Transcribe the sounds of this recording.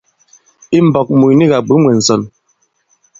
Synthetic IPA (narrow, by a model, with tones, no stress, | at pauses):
i˦m̩˨bɔ˨k̚mu˨ni˦ɣa˨ɡ͡bu˨˦mwɛ˨n̩˨sɔ˨n